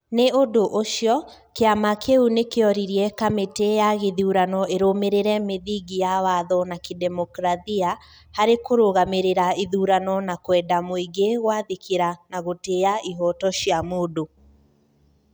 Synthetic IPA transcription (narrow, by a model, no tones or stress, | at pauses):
neodoʔoʃjɔ | keamakʰeunekeɔɾiɾiɛkametejaɣeðuuɾanɔeɾomeɾeɾɛmeðiɡijawaðɔnakidɛmɔkɾaðia | haɾekoɾoɣameɾeɾaiðuɾanɔnakwɛːdamoiɡeɣwaðikʰeɾanaɣoteaʔiɦɔtɔɕjamodo